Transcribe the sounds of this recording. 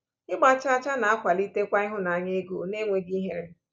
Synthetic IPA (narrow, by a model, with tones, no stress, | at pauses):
ɪ˦ɡ͡ba˦t͡ʃa˦a˦t͡ʃa˦na˨a˦kʷa˨li˦te˦kʷa˦ɪ˦ɦʊ˦na˨ɲe˦ɡu˨˦ne˦ŋʷe˨ɡi˦ɦe˦ɾe˦